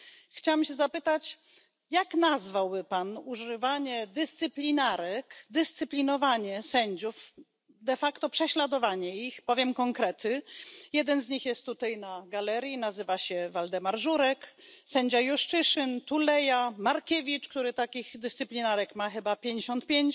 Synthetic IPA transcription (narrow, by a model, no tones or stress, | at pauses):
xt͡ɕawɛmɕɛzapɘt̪at͡ɕ | jaknazvawbɘpanuʐɘvaɲɛd̪ɘst̪sɘplʲinaɾɛkd̪ɘst̪sɘplʲinɔvaɲɛsɛɲd͡ʑuf | d̪ɛfakt̪ɔpʂɛɕlad̪ɔvaɲɛixpɔvʲjɛmkɔŋkɾɛt̪ɘjɛd̪ɛnzɲixjɛst̪ːut̪ajnaɡalɛɾʲjinazɘvaɕɛvald̪ɛmaɾʐuɾɛksɛɲd͡ʑajuʂt͡ʂɘʂɘnt̪ulɛjamaɾkʲɛvʲit͡ʂkt̪uɾɘt̪akʲiɣd̪ɘst̪sɘplʲinaɾɛkmaxɘbapʲjeɲd͡ʑeɕɔnt̪̚pʲjeɲt͡ɕ